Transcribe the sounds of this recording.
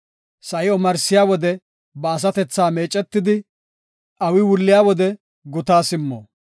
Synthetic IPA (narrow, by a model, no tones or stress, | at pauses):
sɐʔɪɔmɐɾsɪjaːwɔd̪ɛ | bɐːs̬ɐt̪ɛt͡sːaːme̞ːt͡ʃʼːɛt̪ːɪd̪ɪ | ʔɐwɪwʊlːɪjaːwɔd̪ɛ | ɡʊt̪aːsɪmːo̰ː